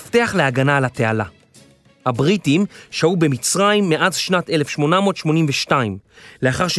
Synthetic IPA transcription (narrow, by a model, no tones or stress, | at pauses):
fteaχleaɡanalate̞ala | habʁitimʃaube̞mit͡sʁaimːeʔazʃnate̞le̞fʃmo̞namo̞tʃmo̞nimveʃtaimleaχaʁʃ